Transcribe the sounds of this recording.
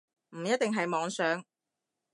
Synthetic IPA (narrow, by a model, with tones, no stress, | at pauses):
m̩˨˩jɐ˥t̪̚ːɪ˨ŋɦɐ˨jmɔː˨˧ŋsœː˨˥ŋ